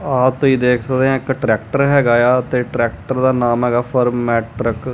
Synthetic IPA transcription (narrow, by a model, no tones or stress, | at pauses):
aːt̪ːiːd̪eːkʰsəkd̪eɛ̃ːɪkʈɾɛːkʈəɾɦɛːɡaːjaːt̪eːʈɾɛːk̚ʈəɾd̪aːnaːmɦɛːɡaːpʰəɾmːɛːʈɾɪk